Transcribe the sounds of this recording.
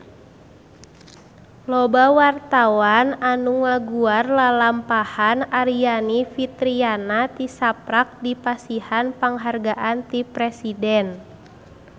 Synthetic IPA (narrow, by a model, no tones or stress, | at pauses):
lɔbawart̪awananuŋaɡuarlalampahanaɾianifit̪ɾianat̪isapɾak̚dipasihanpaŋɦarɡaʔant̪ipɾɛsidɛn